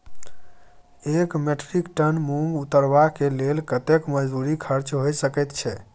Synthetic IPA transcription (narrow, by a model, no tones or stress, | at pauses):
ekmeʈʰɾikʈənmumut̪əɾʋakelelkət̪ekməd͡ʒd̪uɾikʰəɾt͡ʃɦojsəkɛt̪t͡ʃʰɛ